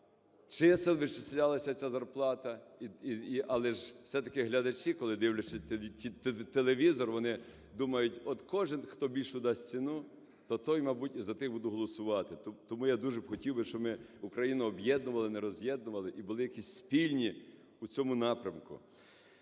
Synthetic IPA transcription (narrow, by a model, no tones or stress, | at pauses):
t͡ʃɪsɪlˠʋɪt͡ʃɪsʲlʲalˠɐsʲɐt͡sʲazɐrplˠɑt̪ɐiiiʔɐlˠɛʒ̥sɛt̪ɐkɪɦlʲɐd̪ɐt͡ʃikɔlˠɪd̪ɪwlʲɐt͡ʃɪt̪ʲit̪elˠeʋʲizɔrʋɔnɪ | d̪umɐjʊtʲɔd̪kɔʒɪnxt̪ɔbʲilʲʃʊd̪ɑsʲt͡sʲinu | t̪ɔt̪ɔjmɐbutʲizɐt̪ɪxbud̪ʊɦɔlˠɔsʊʋɑt̪ɪt̪ɔmujad̪uʒɛbxɔtʲiwbɪʃt͡ʃɔbmɪʊkɾɐjinʊɔbjɛd̪nʊʋɐlˠɪnɛɾɔzʲjɛd̪nʊʋɐlˠɪʔibʊlˠɪjɐkʲisʲspʲilʲnʲi | ut͡sʲɔmʊnɑpɾʲɐmkʊ̰